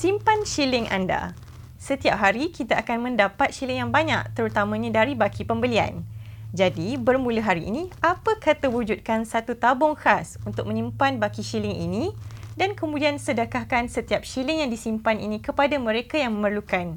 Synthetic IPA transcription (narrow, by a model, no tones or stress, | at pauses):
simpanʃilɪŋʔa̰nda̰ | sət̪iap̚ɦaɾikit̪aʔakanmə̃ndapat̪̚ʃilɪŋjaŋbaɲak̚t̪əɾut̪amãɲãdaɾibakʰipəmbəlia̰nd͡ʒadibərmũləɦaɾiʔːniapakat̪əwud͡ʒut̪̚kansat̪ut̪abɔŋxasunt̪ʊk̚mə̃ɲĩmpanbakiʃilɪŋḭnĩdankəmũdiansədəkahkansət̪iap̚ʃilɪŋjaŋdisimpanḭnĩkəpadamə̃ɾekajaŋmə̃mərlukan